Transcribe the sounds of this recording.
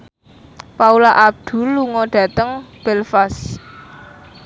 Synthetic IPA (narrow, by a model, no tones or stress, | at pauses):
paulaʔab̚d̪̥ṳlːuŋɔɖ̪̥ä̤t̪əŋb̥ɛlfas